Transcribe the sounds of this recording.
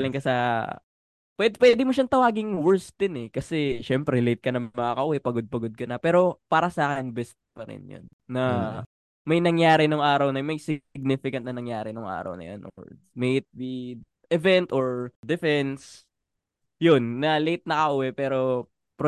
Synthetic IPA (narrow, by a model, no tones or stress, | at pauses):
lɪŋkɐsɐ | pwɛd̪pwɛd̪ɪmoʃɐnt̪ɐwaːɡɪŋwɛɹsd̪ɪnɛkɐsɛʃɛmpɾɛlejt̪̚kɐnɐmɐkakɐʔuwɛpɐɡod̪̚pɐɡod̪̚kɐnɐpɛːɾo̞paːɾɐsaːkɛnbɛst̪̚pɐɾɪ̰njo̰nːɐ | mɐjnɐŋjaːɾɪnoŋʔaːɾɐwnɐjmɐjsɪɡ̚nɪfɪkɐnt̪nɐnɐŋjaːɾɪnoŋʔa̰ːɾɐ̰wnɐ̰jo̰nʔŋɛ̰smɛjʔɪt̪̚bi | ʔɛvɛnt̪ʔoɹd̪ɛfɛns | jonːɐlejt̪̚nɐkɐʔuːwɛpɛːɾo̞ | pɾo